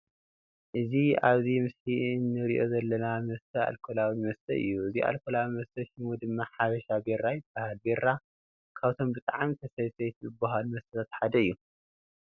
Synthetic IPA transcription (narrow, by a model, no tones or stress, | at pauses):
ʔɨziaβzimɨsħiɨnːɨɾiʔo̞zɐlːɐnamɐst̪ʰɐa̰lkʰolawimɐst̪ʰɐʔɨ̰jːuɨzia̰lkʰolawimɐst̪ʰɐʃimud̪ɨmːaħaβɐʃabeɾajb̥ahalbe̞ɾa | kʰaβt̪ʰo̞mbɨt̪ʼaʕamit̪ʰɐsɐjsɐjt̪ʰzɨbaɦalmɐst̪ɐlʰat̪ħad̪ɐɨjːu